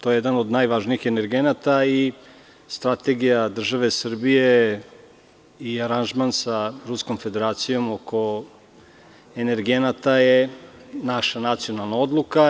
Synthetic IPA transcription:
t̪o̞jejd̪anod̪najʋaʒniixe̞neɾɡenat̪ai | st̪ɾat̪eɡijad̪r̩ʒaʋe̞sr̩bije | iaɾanʒmansaɾusko̞mfe̞d̪e̞ɾaːt̪sijo̞moko̞ | ene̞ɾɡenat̪ajenaʃanat̪sijo̞nalˠnao̞d̪lˠuka

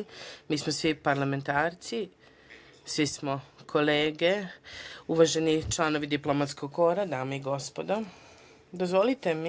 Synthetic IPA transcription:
miːsmosʋipaɾlˠame̞nt̪aːɾt̪si | sʋismo̞kʰo̞leːɡe | uʋaʒe̞nit͡ʃlˠano̞ʋid̪iplomat̪sko̞ɡ̚ko̞ɾad̪aːmeiɡo̞spod̪o | d̪ozʋo̞lit̪em

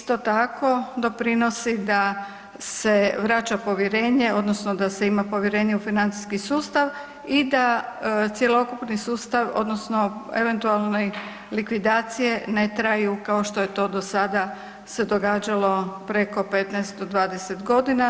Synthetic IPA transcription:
ist̪o̞t̪ako̞d̪o̞pɾino̞sid̪a | se̞ʋɾat͡ʃapo̞ʋjeɾe̞ːɲe̞o̞d̪nosnod̪ase̞imapo̞ʋjeɾe̞ːɲeufinant̪i̥skisuːst̪aʋ | id̪at̪sje̞lo̞kupnisuːst̪aʋo̞̰d̪no̞sno̞ḛʋe̞nt̪ualˠne | likʋid̪aːt̪sije̞ne̞t̪ɾajukao̞ʃt̪o̞jet̪o̞d̪o̞sad̪a | se̞d̪o̞ɡaːd͡ʒalo̞pɾe̞ko̞pe̞t̪nɛjst̪̚d̪od̪ʋaːd̪ese̞t̪ɡo̞d̪ina

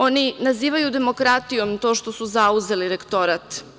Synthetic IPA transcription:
o̞ninaziːʋajud̪e̞mo̞kɾat̪ijo̞mt̪o̞ːʃt̪o̞suzauzeliɾekt̪o̞ɾat̪

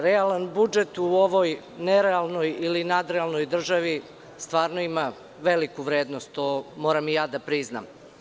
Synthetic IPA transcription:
ɾealanbud͡ʒet̪uoʋoj | neɾealˠno̞jilinad̪ɾealˠno̞jd̪r̩ʒaʋi | st̪ʋaːɾnoima | ʋe̞likuʋɾeːd̪nost̪ːomoːɾamijaːd̪apɾizna̰m

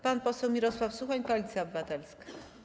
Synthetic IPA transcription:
panpɔsɛwmʲiɾɔswafsuxaɲpɔalʲit̪sʲjaɔbɘvat̪ɛlskḁ

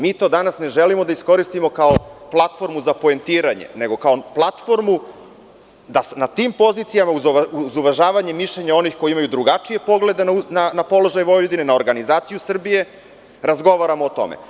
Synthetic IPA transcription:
miːt̪o̞ːd̪anasne̞ʒelimo̞d̪aisko̞ɾist̪imo̞kaoplˠat̪fo̞ɾmuzapo̞ent̪iːɾaɲḛne̞ɡo̞kao̞plˠat̪fo̞ɾmu | d̪asnat̪iːmpo̞zit̪sijamauzuzuʋaʒaːʋaɲe̞miʃlʎe̞ɲao̞nixkojiimajud̪ɾuɡat͡ʂije̞po̞ɡle̞d̪ennanapo̞lo̞ʒajʋo̞jd̪inenaoɾɡanizaːt̪sijusr̩bije̞ | ɾazɡo̞ʋaɾamoːt̪o̞̰mḛ

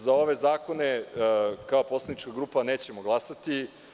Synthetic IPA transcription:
zao̞ʋe̞zaːko̞ne | kao̞po̞slˠadnit͡ʃkaɡɾuːpaneːt͡ɕe̞moɡlˠasat̪i

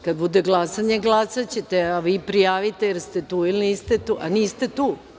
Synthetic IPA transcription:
kad̪̚bud̪e̞ɡlˠasaɲeɡlˠasat͡ɕet̪eaʋiːpɾijaːʋit̪ejeɾst̪e̞t̪uːiliniːst̪et̪uːʔa̰niːst̪e̞t̪uː

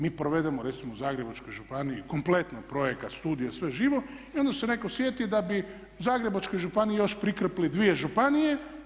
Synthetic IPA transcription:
miːpɾoʋe̞d̪emoɾe̞t̪simouzaːɡɾe̞bat͡ʃkojʒupaniiko̞mplˠet̪noɡpɾo̞jekat̪st̪uːd̪ijesʋe̞ʒiːʋoio̞nd̪ase̞neko̞sʋjet̪id̪abi | zaːɡɾe̞bat͡ʃkojʒupanijijo̞ʃpɾikr̩plid̪ʋije̞ʒupanije

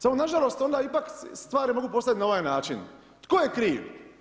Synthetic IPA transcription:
samonaʒalo̞st̪o̞nd̪aipakst̪ʋaːɾimo̞ɡuːpo̞st̪at̪nao̞ʋajnaːt͡ʃin | t̪koːjekɾiːʋ

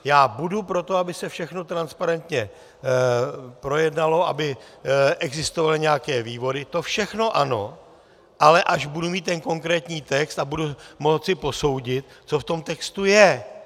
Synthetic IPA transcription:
jaːbudupɾo̞t̪o̞abɪsɛfʃɛxnot̪ɾanspaɾɛnt̪ɲɛ | pɾo̞jɛdnalo̞ʔa̰bɪ | ʔɛɡzɪst̪ovalɪɲɛjakɛːviːvo̞dɪt̪o̞fʃɛxno̞ʔano̞ | ʔalɛʔaʒbudumiːt̪t̪ːɛnko̞ŋkɾɛːt̪ɲiːt̪ɛkst̪abudumo̞t͡sɪpo̞so̞wɟɪt̪t͡so̞ft̪o̞mt̪ɛkst̪ujɛ

